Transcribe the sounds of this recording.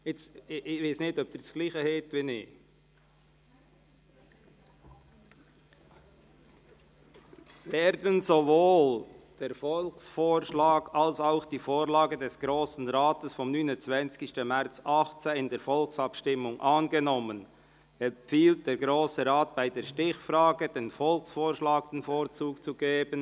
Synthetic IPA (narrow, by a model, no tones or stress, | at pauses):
ɛt͡sɪvaɪsnɪtɔp̚d̥ɪsɡ̥liːχəhɛːtvinɪː | vɛːɾdənzovoːld̥eːɾfɔlksfoːɾʃlɑːɡ̥alsaʊxd̥iːfoːʁlaːɡədɛsɡ̥ʁoːsn̩ʁaːtəsfɔmnyːnʊnt͡svɛnt͡skɪʃtəmɛʁt͡sɑχt͡seɪndeːɾfɔlksɑpʃtɪmʊŋʔɑːnɡənɔmən | ɛp͡fiːlt̚d̥eːɾɡʁoːsəʁaːt̚b̥aɪdeːɾʃtɪçfraːɡəd̥eːnfɔlksfoːʃlaːk̚d̥enfoːɾt͡suːkt͡suɡeːbən